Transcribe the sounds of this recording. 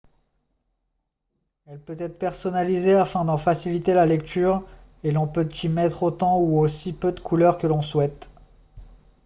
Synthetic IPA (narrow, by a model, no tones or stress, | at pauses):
ɛlpøt̪ɛt̪χpɛʁsɔnalizeafɛ̃d̪ɑ̃fasilit̪elalɛkt̪ʰyːʁ | elɔ̃pøt̪ʰimɛt̪χot̪ɑ̃uosipød̪əkʰulœʁkəlɔ̃swɛt̪